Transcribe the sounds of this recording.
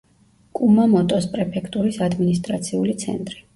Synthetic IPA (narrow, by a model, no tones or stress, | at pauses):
kʼumamɔt̪ʼɔspʼɾɛpʰɛkʰt̪ʼuɾisad̪minist̪ʼɾat̪sʰiulit̪sʰɛ̰nt̪ʼɾi